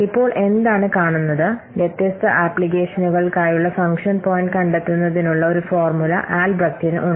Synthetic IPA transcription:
ipːo̞ːɭʔe̞nd̪aːɳɨkaːɳunːɐðɨ | ʋjet̪jɐst̪ɐʔaːplike̞ːʂɐnuɣɐɭkaːjuɭːɐfɐŋkʂɐnpo̞ːjiɳɖɨkɐɳɖɐt̪ːunːɐðinuɭːɐo̞ɾufo̞ːrmulɐ̰ʔaːlbrɐk̚ʈinɨ̰ʔuɳ

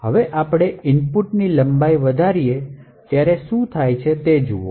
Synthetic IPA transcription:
ɦəʋeʔapɽ̃eɪnpuʈniləmbaiʋəd̪ʱaɾije | t̪jaɾeʃũt̪ʰajt͡ʃʰet̪ed͡ʒuo̰

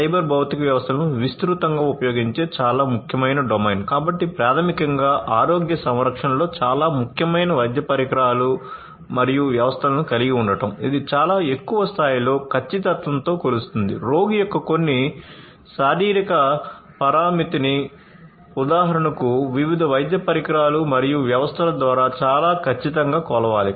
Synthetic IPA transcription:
sɐjbɐɾbʱɐwt̪ikɐʋjɐʋɐst̪ʰɐlɐnuʋist̪ɾut̪ɐŋɡaːupɐjo̞ːɡiɲt͡ʃe̞ːt͡ʃaːlaːmukʰjɐmɐjnɐɖomeːnkaːbɐʈːipɾaːt̪ʰɐmikɐŋɡaːʔaːɾo̞ːɡjɐsɐmɾɐkʂɐnɐlo̞ːt͡ʃaːlaːmukʰjɐmɐjnɐʋɐjd̪ʱjɐpɐɾikɾaːlu | mɐɾijuʋjɐʋɐst̪ʰɐlɐnukɐliɡiuɳɖɐʈɐmid̪it͡ʃaːlaːe̞kːuʋɐst̪ʰaːjilo̞ːkʰɐt͡ʃːit̪̬ɐt̪ʋɐnt̪oːkolust̪und̪ḭɾo̞ːɡijokːɐko̞nːi | ʃaːɾiːɾikɐ | pɐɾaːmit̪ini | ud̪aːɦɐɾɐɳɐkuʋiʋid̪ʱɐʋɐjd̪jɐpɐɾikɾaːlumɐɾijuʋjɐʋɐst̪ʰɐlɐd̪ʋaːɾaːt͡ʃaːlaːkʰɐt͡ʃːit̪ɐŋɡaːkɔːlɐʋaːli

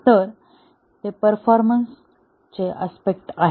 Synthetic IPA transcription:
t̪əɾ | t̪epəɾfɔɾməns | t͡seʔaspek̚ʈaɦ

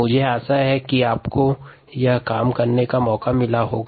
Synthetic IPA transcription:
ʊd͡ʒʱeaːsaɦɛkiaːpko | jakaːmkɐɾnekamɔːkamɪlaɦoːɡa

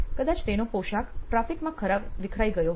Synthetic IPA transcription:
kəd̪at͡ʃt̪enopoʃakʈɾafikmãkʰəɾabʋikʰɾaiɡəjo

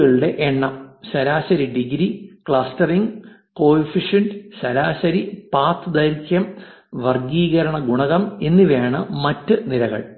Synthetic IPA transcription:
ɣɐɭuɽe̞ʔeɳːɐmɕɐɾaːɕɐɾiɖiɡɾikɭaːstɐriŋɡ | koːifiʂɐndɨɕɐɾaːɕɐɾipaːt̪ːɨd̪ɐɾikʲːɐm | ʋɐrɡiːɣɐɾɐɳɐɡuɳɐɣɐme̞nːiʋeːɳɨmɐtːɨnilɐɣɐ̰ɭ

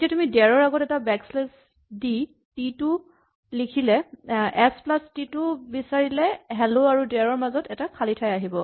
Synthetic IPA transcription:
etiatumidɛɹɔɹaɡɔtɛtabɛksles | di | titʊ | likʰilɛɛsplastitʊbisaɹilɛɦɛloaɹudɛɹɔɹmazɔtɛtakʰalitʰajaɦibɔ

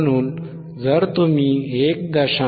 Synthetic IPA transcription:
ñuːn | d͡zəɾt̪um̤iek̚d̪əɕa

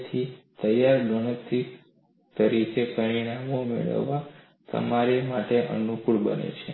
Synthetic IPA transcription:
t̪ʰit̪əjaɾɖonəst̪ɾik | t̪əɾikepəɾiɳ̃amomḛɭə̰ʋːa | t̪ə̰maɾemaʈeʔə̰nukuɭbə̰nḛt͡ʃʰe

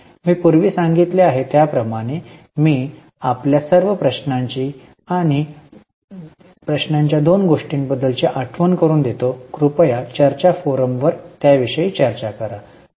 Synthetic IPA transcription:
miːpuɾʋiːsãŋɡit̪leaɦet̪japɾəmaɽ̃e | miː | apljasəɾʋəpɾəɕnaɲt͡ɕiː | aɽ̃i | pɾəɕnaɲt͡ɕjad̪onɡoʂʈiːnbəd̪ːəlt͡ɕeʔaʈʰʋənkəɾuːnd̪et̪okɾupəjat͡ɕəɾt͡ɕafoɾəmʋəɾt̪jaʋiʂəjiːt͡ɕəɾt͡ɕakəɾa

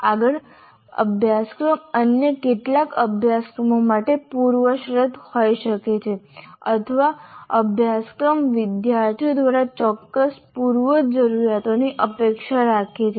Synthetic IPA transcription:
aɡəɭ | ə̰bʱjaskɾəmənjəkeʈlakəbʱjaskɾəmomaʈepuɾʋəʃɾəd̪ʱhojʃəket͡ʃʰeət̪ʰəʋaəbʱjaskɾəmʋɪd̪jaɾt̪ʰiod̪ʋaɾat͡ʃɔkːəspuɾʋəd͡ʒəɾuɾjat̪oniʔəpekʃaɾakʰet͡ʃʰe

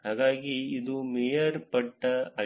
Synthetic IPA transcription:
haːɡaːɡiːd̪umɛjɐɾpɐʈːɐɐ

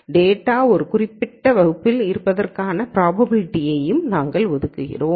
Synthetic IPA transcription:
ɖeːʈːaːɔɾɯkʊrɪpːɪʈːɐʋɐɣɯpːɪlɪɾɯpːɐðɐrkaːnɐpɪɾaːbɐbɪlɪʈːɪjɐjɯmnaːŋɡɐɭʋɔðɯkːɯɣɪ̰roːm

